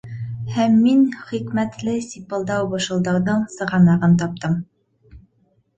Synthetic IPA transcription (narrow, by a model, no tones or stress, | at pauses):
hæmːinχikmæt̪lɘsʲipɤ̆lˠd̪ɑwbɤ̆ʃɤ̆lˠd̪ɑwðɤɴsɤ̆ʁɑnɑʁɤnt̪̬ɑp̚t̪ɤm